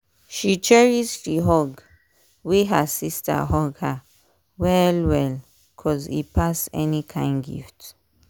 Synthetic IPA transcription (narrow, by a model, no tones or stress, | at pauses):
ʃit͡ʃɛɹisʃiɦɔɡ | wiɦə̰sistʰə̰ɦɔɡhə | wɛlwɛl | kʰɔzḭpʰasɛ̰nikʰãɪ̃nɡḭft